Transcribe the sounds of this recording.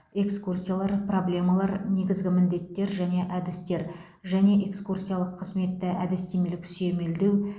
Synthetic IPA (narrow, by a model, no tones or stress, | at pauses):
e̞kskursʲijalˠɑɾpro̞blʲe̞malˠɑɾne̞ɡʲɪzɡʲɪmɪnd̪e̞t̪ːe̞ɾʒæne̞ʔæd̪ɪst̪e̞ɾ | ʒæne̞ʔe̞kskursʲijalˠəqʰːəzme̞t̪ːɪʔæd̪ɪst̪e̞me̞lɪksyje̞me̞ld̪e̞w